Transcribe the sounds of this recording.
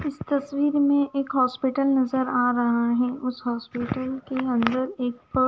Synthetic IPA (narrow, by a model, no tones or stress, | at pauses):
ɪst̪ɐswiːɾmẽʔeːkɦɔːspɪʈəlnɐzəɾaːɾɐɦaɦɛʔʊsɦɔːspɪːʈəlkeɐ̃nd̪əɾeːk̚pə